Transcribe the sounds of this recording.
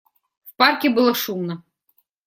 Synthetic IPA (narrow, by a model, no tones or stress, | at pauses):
wparkʲibɨlˠɔʂumnɐ